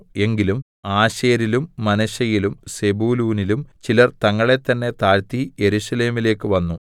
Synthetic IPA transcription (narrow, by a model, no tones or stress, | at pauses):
e̞ŋɡilum | aːɕeːɾilumːɐnɐɕɐjilumse̞buːluːnilumt͡ɕilɐrt̪ɐŋːɐɭe̞t̪ːɐnːe̞t̪aːɻt̪ije̞ɾuɕɐle̞ːmile̞ːkːɨʋɐnːu